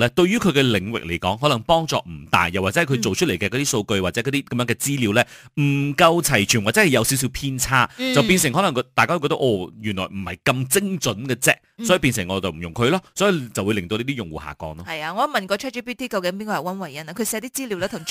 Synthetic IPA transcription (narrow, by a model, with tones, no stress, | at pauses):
lɛː˥t̪ɵ˧ɥjyː˥kʰɵ˨˧ɥkɛ˧lɪ̰˨˩ŋwɪ̰˨k̚le˨˩jkɔ̰ː˨˥ŋɦɔ˨˥lɐ˨˩ŋpɔː˥ŋt͡sɔ̰ː˧m̩˨˩t̪a̰ː˨˩jːɐ˨˩waː˨˩t͡sɛ˥˩kʰɵ˨˧jt͡so˨wt͡ʃʰɵ˥le˨˩jkɛ˧kɔ˨˧t̪iː˥so˧wkɵ˧ɥwaː˨t̚t͡sɛː˨˥kɔ˨˧t̪iː˥kɐ˨˧mjœː˨˧˥ŋkɛː˧t͡siː˥li˨˧˥wlɛː˥ | m̩˨˩kɐ˧wt͡sʰɐ˨˩jt͡ʃʰyː˨nwa˨˩t͡sɛ˨˥hɐ˨˩jɐ˨˧wsi˨˥ws̬i˧wpʰiː˥nt͡sʰaː˥t͡sɐ˨wpiː˧ns̬ɪ˨˩ŋɦɔ˨˥lɐ˨˩ŋkt̪aː˨jkaː˥wkːɔ˧˥t̪ʔɔː˨˧˩jyː˨˩nlɔː˨˩jm̩˨˩hɐ˨˩jkɐ˧mt͡sɪ˥ŋt͡sɵ˨˦˥nkɛ˧t͡sɛ̰ː˥k̚sɔː˨˥i˨˧piː˧ns̬ɪ˨˩ŋːɔː˨˧t͡sɐ˨wm̩˨˩jʊ˨˩ŋkʰɵ˧lɔː˥sɔː˨˥ji˨˧t͡sɐ˨wuː˨˧jlɪ˨ŋt̪o˧liː˥t̪iː˥jʊ˨ŋwṵː˨˩ha̰ː˨˩kɔ̰ː˧˥ŋlɔː˦ɐ˨jaː˧ŋɔː˨˧˥mɐ˨nkɔː˧t͡ʃʰœː˥t͡ʃi˥piː˥t̪ʰiː˥kɐ˧wkɪ˨˥ŋpiː˥nkɔː˧jɐ˨˩wɐ˥nwɐ˨˩jɐ˨˥na˧kʰɵ˧sɛː˧t̪iː˥t͡siː˥liː˨˧˥wlɛː˥t̪ʰʊ˨˩ŋ